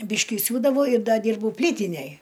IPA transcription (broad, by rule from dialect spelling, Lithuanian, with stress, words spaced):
ˈbʲiːʃʲkʲɪ ˈsʲuːdɐʋɐʊ ɪr ˈdɐ ˈdʲiːrbɐʊ ˈpʲlʲiːtʲɪnʲɛj